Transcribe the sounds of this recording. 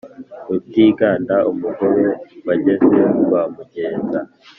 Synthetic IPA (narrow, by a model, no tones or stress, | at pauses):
ub̚ɟiːɡaːndaʔumuɡoɾowaɟezewamuɟe̞ːnza̰